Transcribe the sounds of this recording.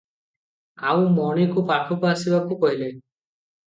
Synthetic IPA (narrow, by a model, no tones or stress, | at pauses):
a̰ũmɔɽ̃ikupaʈʰupaasibakukɔɦile